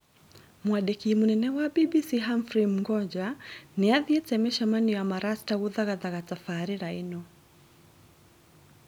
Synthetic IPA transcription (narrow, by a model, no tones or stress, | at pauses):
mwaɗɛkimunɛnɛwaɓiɓisiɦaɱfɾim̩ŋɡɔd͡ʒaniaðiɛt͡sɛmɛʃamaniamaɾastaɣuðaɣaðaɣatafaɾiɾainɔ